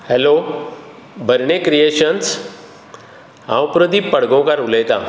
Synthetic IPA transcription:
hɛlo | bʱəɾɳekɾijeːʃəns | ã̰ʊpɾəd̪ipɐɽɡõkaɾʊleːt̪ã̰

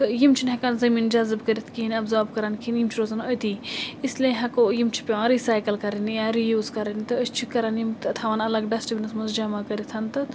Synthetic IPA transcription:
t̪ɨjimt͡ʃʰinɦɐkanzɐmiːnd͡ʒɐzɨbkɐɾit̪ʰkiinɐbzoːɾb̚kɐɾaːnkʰinjimt͡ʃʰiɾoːzɐnojt̪iːislʲẽɦɐkojimt͡ʃʰi̥pʲeãːɾisaːjkɐlkɐɾɐnijaɾijuːzkɐɾɐnit̪ɨəsʲt͡ʃʰikɐɾɐnjimt̪ɐt̪ʰɐʋaːnɐlɐɡɖɐsʈbʲinɐsmɐnzd͡ʒɐmaːkɐɾit̪ʰɐnt̪ɨ

